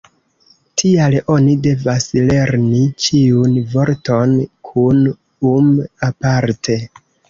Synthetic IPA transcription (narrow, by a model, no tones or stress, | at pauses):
tʰialo̞nide̞vasle̞ɾnit͡ʃiunvo̞ɾto̞nkʰun | umapaɾtʰe̞